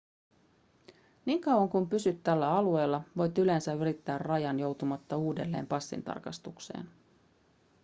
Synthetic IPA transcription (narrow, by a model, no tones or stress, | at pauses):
niːŋkɑwɑŋkumpysyt̪ːælːæɑlue̞ːlːɑʋo̞jt̪yle̞nsæyɾit̪ːæːrrɑjɑnjo̞wt̪umɑt̪ːɑuːde̞lːe̞̰ːmpɑsːḭnt̪ɑ̰rkɑ̰st̪ukse̞̰ːn